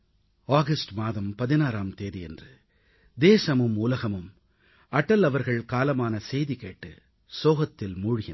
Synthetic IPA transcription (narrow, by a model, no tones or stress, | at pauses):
aːɣɐsʈmaːðɐmpɐðɪnaːɾaːmt̪eːðiɛndrɯ | d̪eːsɐmɯmʊlɐɣɐmɯm | ɐʈːɐlɐʋɐɾɣɐɭkaːlɐmaːnɐsɛjðɪkeːʈːɯ̰ | soːɣɐt̪ːɪlmuːɻʊɣɪn